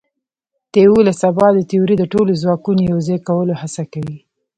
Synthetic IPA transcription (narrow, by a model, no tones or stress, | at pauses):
t̪ewulasabɑd̪ət̪iuɾid̪əʈolozwɑkunojawzɑjkawəlohasakawi